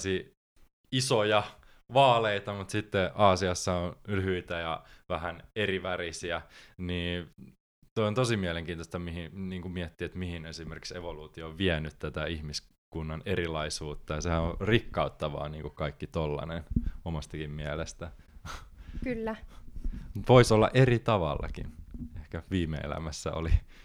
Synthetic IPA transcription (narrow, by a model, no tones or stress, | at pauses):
si | isojɑ | ʋɑːleit̪ɑmut̪sit̪ːeʔɑːsiɑsːɑonlyhyit̪æjɑʋæhæneriʋærisiæniː | t̪oijont̪osimiæleŋkiːnt̪ost̪ɑmihiniːŋkumiɛt̪ːiːet̪mihinesimerki̥ksḛʋoluːt̪ioːʋʋiɛnyt̪tæt̪æihmis | kunːɑnerilɑisuːt̪ːɑjɑsehænorikːɑut̪ːɑʋɑ̰ːniːŋkukɑikːit̪olːɑ̰nenomɑst̪ɑkimmiælest̪æ | kylːæ | mt̪ʋoisolːɑ̰ʔerit̪ɑʋɑ̰lːɑ̰kḭnehkæʋiːmḛḛlæ̰mæsːæ̰o̰li